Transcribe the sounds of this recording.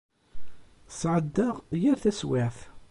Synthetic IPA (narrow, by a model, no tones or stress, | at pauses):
sʕəd̪ːəʁjəɾθæsweθ